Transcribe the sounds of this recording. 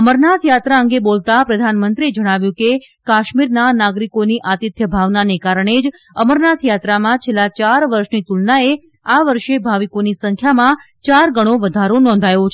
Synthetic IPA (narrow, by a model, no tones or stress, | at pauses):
əməɾnat̪ʰjat̪ɾaəŋɡebolt̪apɾəd̪ʱanmənt̪ɾied͡ʒəɽ̃aʋjũke | kaʃmiɾnanaɡɾikoniʔat̪it̪jəbʱaʋnanekaɾəɳ̃ed͡ʒ | əməɾnat̪ʰjat̪ɾamãt͡ʃʰelːat͡ʃaɾʋəɾʃnit̪ulnae | aʋəɾʃebʱaʋikonisəŋkʰjamã | t͡ʃaɾɡəɽ̃oʋəd̪ʱaɾonɔ̃n̆d̪ʱajot͡ʃʰ